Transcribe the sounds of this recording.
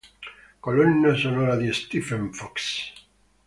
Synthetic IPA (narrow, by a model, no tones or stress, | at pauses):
kolonːasonoɾaðiest̪ifeɱfɔks